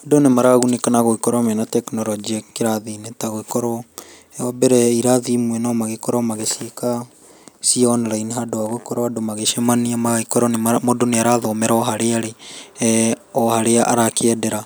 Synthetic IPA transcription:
hadonemaɾaɣunikanaɣoikɔɾɔmɛnatɛknɔɾɔd͡ʒiakeɾaðinetaɣoikɔɾɔ | ɔbɛɾɛiɾaðimuwɛnamaɣekɔɾɔmaɣeseka | siɔnɔɾaineɦadoaɣoikɔɾɔadomaɣeʃɛmaniamaikɔɾɔneamodoneaɾaðɔmɛɾaɔɦaɾeaɾe | ɔhaɾeaʔaɾakeɛdeɾa

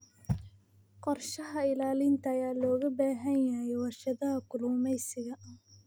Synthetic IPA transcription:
qɔrʃɐɦɐɪlaːlɪnt̪ʰɐːjaːlɔːɣɐbaːɦɐnjɐjɛwɑrʃɐðɐɦɐkʰʊluːmɛjsɪɣɐ

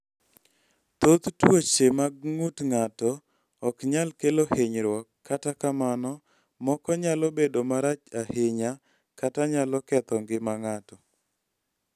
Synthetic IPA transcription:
t̪ot̪twot͡ʃemaɡŋutŋatɔː | kɲalkeloheɲɾwɔkːatakamanɔ | mɔkɔɲalobedomaɾat͡ʃahɪɲa | kataɲalɔkɛt̪ɔŋɡɪmaŋatɔ

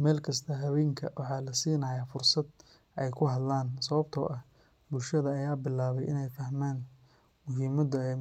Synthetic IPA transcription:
mɛːlkʰɐs̬t̪ʰɐɦɐβɛːŋkʰɐwɑħɑːlɐsiːnɐjafʊrsɐd̪ | ʔɛjkʰʊɦɐd̪laːnsɐβɐb̚t̪ʰɔ̰ʔɐ | bʊlʃɐðɐːjaːbɪlaːβɛjʔɪnɛjfɐhmaːn | mʊɦiːmɐd̪ɐɛ

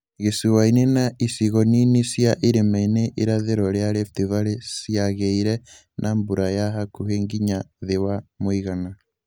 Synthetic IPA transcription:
ɣesuwainenaisiɣɔninisjaʔiɾemaineʔeɾaðeɾɔɾeaɾeftivaɾesiaɣeiɾɛ | nʔambuɾajaɦakuɦeːŋɡiɲaðewamoiɣana

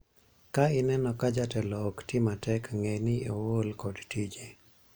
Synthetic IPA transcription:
kaɪnɛnɔkad͡ʒatɛlɔktɪmatɛkŋenɪowolkɔdtid͡ʒe

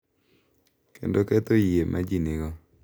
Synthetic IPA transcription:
kḛndokɛt̪ojemʔad͡ʒinɪɡɔ

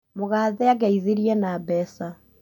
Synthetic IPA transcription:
moɣaːðɛaɣɛiðeɾiɛnabɛsa

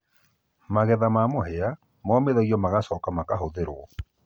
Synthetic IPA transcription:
maɣɛðamamoɦea | mɔːmeðɔɣiɔmaɣasɔːkamakaɦoðeɾwɔ

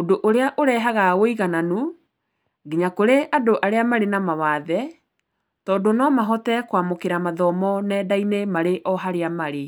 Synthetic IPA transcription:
odoʔoɾeaʔoɾɛːɦaɣawoiɣananu | ɡiɲakoɾeʔadoʔaɾeamaɾenamawaðɛ | tɔːdonɔmaɦɔtɛkwamokeɾamaðɔmɔnɛdainemaɾeʔɔɦaɾeamaɾe

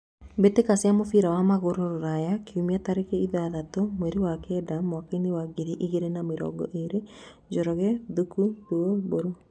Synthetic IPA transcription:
betekasjamofiɾawamaɣoɾoɾoɾajakeumiataɾekɛiðaaðatomwɛɾewakɛdamwakainewaɡeɾiʔiɣeɾenameɾɔ̰ːɡɔ̰ʔeɾe | d͡ʒɔɾɔɣɛðukuduoboɾo

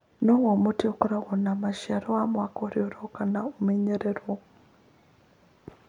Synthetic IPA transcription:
nowomutiokuɾaɣonamaʃaɾoamwakoɾjoɾokanaomeɲeɾeɾwo

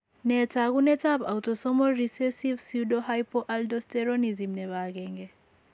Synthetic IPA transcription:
nɛt͡saɡunet͡saba̰wtɔsɔmɔlɾisesibsiwdɔɦajpɔʔaldɔsteɾɔnizimnɛbaɡeŋɡe

